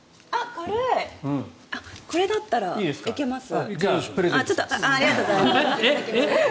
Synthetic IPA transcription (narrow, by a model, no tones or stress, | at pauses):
akoɾeɯ̃ | ako̞ɾe̞d̪at̪ːaɾaiːd̪eskikemasɨipɯɾezẽtt͡ɕo̞t̪ːoaaːɾʲiɡat̪oɡme